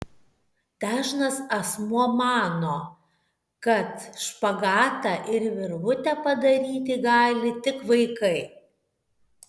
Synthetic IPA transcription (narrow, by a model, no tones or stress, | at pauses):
t̪ʲæːʒnɐsɐsmuɔmɑːnoː | kɐt̪ʃpɐɡɑːt̪ɑːʔɪɾʋʲɪɾʋʊt̪ʲɛpɐd̪ɐɾʲiːt̪ʲɪɡɑːlʲɪt̪ʲɪkʋɐɪkɐɪ